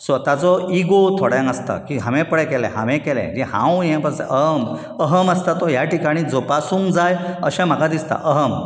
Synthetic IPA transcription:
sɔt̪jat͡sɔiɡot̪ʰoɽjãŋɡəst̪ə̰kiɦãʋɛ̃pəɽɛkɛlɛ̰̃ɦã̰ʋɛ̃kɛlɛ̰̃d͡ʑihã̰wjɛ̃pəɾsɛ̰ʔəɦəm | əɦəməst̪at̪ɔjaʈikaɽ̃ĩd͡zopasuːŋɡd͡zajə̰ɕãm̤akad̪ist̪a̰ʔəɦəm

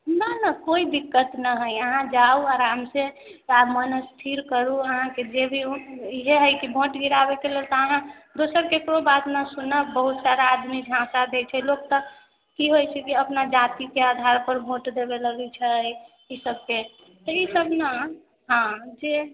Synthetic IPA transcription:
nənəkoid̪ikːət̪nəɦəjəɦãd͡ʒauaɾamse | amənəst̪ʰiɾkəɾuəɦãked͡ʒebʱiiɦeɦəjkibʱoʈɡiɾabekelelt̪ɔəɦãd̪osəɾkekɾobat̪nəsunəbəɦut̪saɾaːd̪mid͡ʒʱãsad̪et͡ʃʰɛlok̚t̪ɔ | kiɦojt͡ʃʰɛkiəpnad͡ʒat̪ikead̪ʱaɾpəɾbʱoʈd̪ebeləɡɛt͡ʃʰə | isəb̚ke | t̪ɔisəbnə | ɦãd͡ʒe

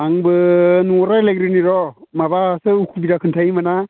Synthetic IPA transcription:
aŋbɯnuɔɾaleɡɾiniɾɔmabasɯukʰubiɾakʰɯntʰajmana

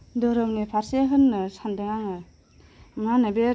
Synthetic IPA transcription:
dɔɾɯwnepʰaɾseɦɯnːɯsandɯŋaŋɯ | manabe

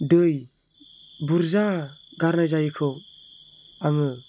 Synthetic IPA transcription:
dɯj | buɾzaɡaɾnajzajikʰɯw | aŋɯ

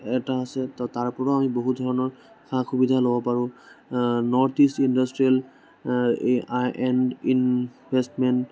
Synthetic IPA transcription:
ɛtaːsɛtaɹpɔɹɔamiboɦut̚dʱɔɹɔnɔɹ | xʰaxʰubidʱalobɔpaɹũ | nɔɹtistindastɹiɛl | ajʔɛnin | bʱestmɛnt

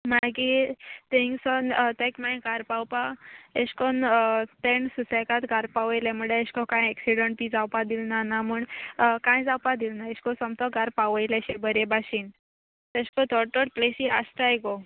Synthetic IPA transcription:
maɡit̪ẽŋɡsɔnt̪ekmãj̃ɡaɾpawpaeɕkɔnt̪eɳsusɛkat̪ɡaɾpaʋəjleməɽeeɕkɔkãjɛksiɽəɳʈ̚pid͡zawpad̪ilnanamuːɳkãjd͡zawpad̪ilnaeɕkɔsɔmt̪ɔɡaɾpaʋəjlɛɕebəɾebaɕin | t̪eɕkɔt̪ɔɽʈɔɽ̚plesiast̪ajɡɔ

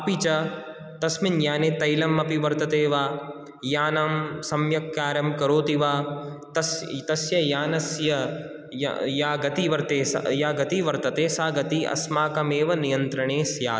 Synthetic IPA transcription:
ɐpit͡ʃɐ | t̪ɐsminjaːnet̪ɐjlɐmːɐpiʋɐɾt̪ɐt̪eːʋaː | jaːnɐmsɐmjɐkːaːɾjɐmkɐɾoːt̪iʋaː | t̪ɐst̪ɐsjɐjaːnɐsjɐ̰ | jaːɡɐt̪iʋɐɾt̪eːsjaːɡɐt̪iʋɐɾt̪ɐt̪eːsaːɡɐt̪iʔɐ̰smaːkɐmeːʋɐnijɐ̃nt̪ɾɐɳ̃eːsja̰ː

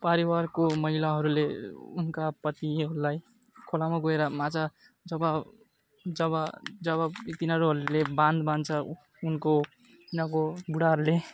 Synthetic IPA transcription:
paɾiwarkomʌɦilaɦʌɾuleṵnkapʌt̪iɦʌɾulaj | kʰolamaɡʌeɾʌmãt͡sa | d͡zʌbʌ | d͡zʌβʌd͡zʌβʌt̪inʌɾuɦʌɾulebãnd̪bant͡sʰʌ | unko | t̪inakobuɽaɦʌɾule

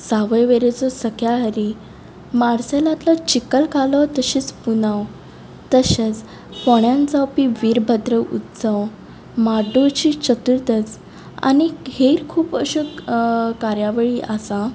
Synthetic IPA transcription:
saʋəjʋeɾet͡sɔsəkjaɦəɾi | maɽselãt̪lat͡ɕikəlkalɔt̪əɕiːt͡spunaw | t̪əɕet͡s | pɔɳjãnt͡sawpiʋiːɾbʱəd̪ɾəʔṵt̪d͡zaw | maɖot͡ɕit͡ɕət̪uɾt̪ət͡s | a̰niɡeɾkʰuːpəɕə | kaɾjaʋəɭiʔasa

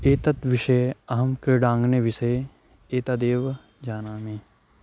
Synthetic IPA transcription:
eːt̪ɐt̪ʋɪʃeɐɦɐmkɾeɖãːŋɡneʋɪse | eːt̪aːd̪eːʋ | d͡ʒaːnaːmeː

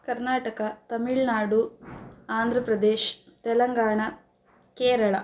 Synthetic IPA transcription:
kɐɾnaːʈɐkɐt̪ɐmiɭnaːɖuaːnd̪ʱɾɐpɾɐd̪eːʃt̪ɛlɐŋɡaːɳɐ | keːɾɐɭɐ

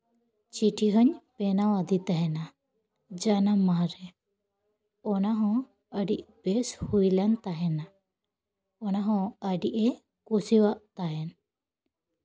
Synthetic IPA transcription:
t͡ʃiʈʰiɦəɲpɛnawad̪it̪aɦɛna | d͡ʒanamaɾɛ | ɔnaɦɔ̃ | əɖiʔbɛshujlant̪aɦɛna | ɔnaɦɔ̃əɖiʔɛ | kusiwaʔt̪aɦɛn

